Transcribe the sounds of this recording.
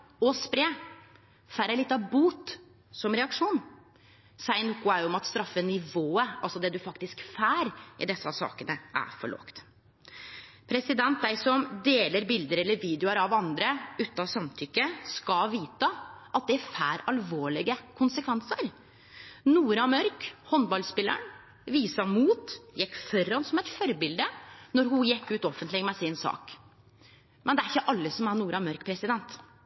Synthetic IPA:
ɔspɾeː | fæɾɛlɪt̪ːɑbuːt̪ | sɔmɾɛɑkʂuːn | sæɪnʊkːʊæɪɔmɑt̪st̪ɾɑfːənɪʋoːəɑlsɔd̪ɛd̪ʉfɑkt̪ɪskfæːɾʔɪ̰d̪ɛsːɑsɑ̰ːkənəʔæ̰ɾfɔ̰ɭɔ̰kt̪ | pʰɾɛsɪd̪ɛnt̪̚d̪æɪsɔmd̪eːləɾbɪld̪əɾɛlːəɾʋiːd̪jʊəɾɑʋɑnd̪ɾəʉːt̪ɑsɑmt̪ʰʏkːəskɑʋiːt̪əʔɑt̪̚d̪ɛæfæːɾɑlʋoːɭɪɡəkʰʊnsəkʰʋɛnsəɾ | nuːɾɑmœɾkhɔnbɑlspɪlːə̰ɳ | ʋiːsɑmuːt̪jɛkːfɔɾːɑnsɔmɛt̪fɔɾbɪld̪ənɔɾɦʊjɛkːʉːt̪ɔfənt̪lɪɡəmɛsɪnsɑ̰ːk | mɛnd̪ɛæɾɪçːəʔɑlːəsɔmæɾɳuːɾɑmœɾkpʰɾɛsɪd̪ɛnt̪

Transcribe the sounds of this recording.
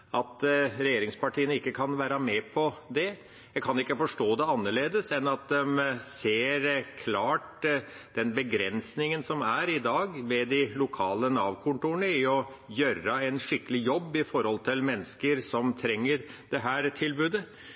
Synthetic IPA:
ɑt̪ɾɛjeːɾɪŋspɑʈʰiːənəɪkːəkʰɑnʋæːɾɑmɛpʰɔd̪ɛ | jæɡkʰɑnɪkːəfɔʂʈoːd̪ɛɑnːəɭeːd̪əsɛnɑt̪̚d̪ɛmseːɾkʰlɑːʈd̪̥ɛnbəɡɾɛnsnɪŋənsɔmæɾɪd̪ɑːɡʋɛd̪ɪlʊkʰɑːlənɑːʋkʰʊnt̪uːɳəɪɔ | jøɾəɛɪnʂɪkːəlɪjɔbːɪfɔɾhɔlt̪ʰɪlmɛnːəskəɾsɔmt̪ʰɾɛŋːəɾd̪ɛɦæːɾt̪ʰɪlbʉːd̪ə

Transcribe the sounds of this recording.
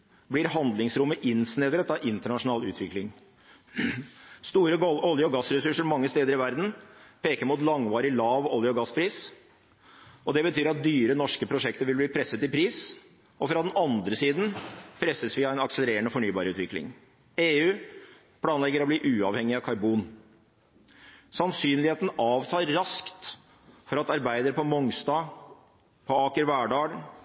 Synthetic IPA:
blɪɾɦɑnd̪lɪŋsɾʊmːəʔɪnsnɛd̪ɾət̪ɑʔɪnt̪əɳɑʂʊnɑːlʉ̰ːt̪ʰʋɪklɪŋ | st̪uːɾəɔljəɔɡɑsɾɛsʉʂəɾmɑŋːəst̪eːd̪əɾɪʋæɾd̪n̩pʰeːkəɾmuːt̪lɑŋʋɑːɾɪlɑːʋɔljəɔɡɑspʰɾiːs | ʔɔd̪ɛbət̪ʰyːɾɑt̪̚d̪yːɾənɔʂkəpʰɾʊʂɛkt̪əɾʋɪlbliːpʰɾɛsːət̪ɪpʰɾiːs | ɔfɾɑd̪ɛnɑnd̪ɾəsiːd̪n̩pʰɾɛsːəsʋɪɑæɛnɑksələɾeːɾənəfɔɳyːbɑːɾʉːt̪ʋɪklɪ̰ŋ | eːʉː | pʰlɑːnlɛɡːəɾɔbliːʔʉːɑʋhɛŋːɪɑkʰɑɾbuːn | sɑnsyːnlɪheːt̪n̩ɑːʋt̪ʰɑːɾːɑskt̪ | fɔɾɑt̪ɑɾbæɪd̪əɾpʰɔmɔŋst̪ɑː | pʰɔɑːkəɾʋæːɖɑːɡ

